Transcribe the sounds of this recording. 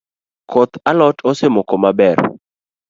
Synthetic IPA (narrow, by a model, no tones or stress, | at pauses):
kʰot̪alɔtosemɔkomabɛr